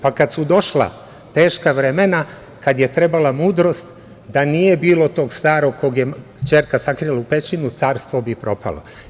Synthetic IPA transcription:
pakad̪sud̪o̞ʃla̰ | t̪eːʃkaʋɾemena | kad̪je̞t̪ɾe̞balamuːd̪ɾo̞st̪ | d̪anije̞biːlo̞t̪o̞ːɡst̪aːɾo̞ɡkoɡje | t͡ʃeːɾkasakɾilaupet͡ʃinut̪saːɾst̪ʋobipɾo̞pa̰lˠo̞̰

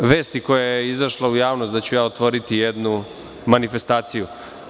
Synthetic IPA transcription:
ʋe̞ːst̪iko̞jajeizaʃlaujaːʋnost̪d̪at͡ɕujaːot̪ʋo̞ɾit̪ijed̪nu | manife̞st̪aːt̪siju

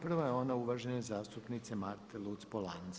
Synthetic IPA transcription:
pr̩ʋajeo̞nauʋaʒenezaːst̪upnit̪semaɾt̪ʰelˠut̪spolˠan

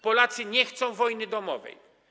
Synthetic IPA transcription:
pɔlat̪sɘɲɛxt̪sɔ̃w̃vɔjnɘd̪ɔmɔvɛ̰j

